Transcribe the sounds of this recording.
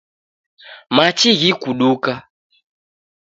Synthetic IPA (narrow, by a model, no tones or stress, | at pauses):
mat͡ʃiɣikuɗuka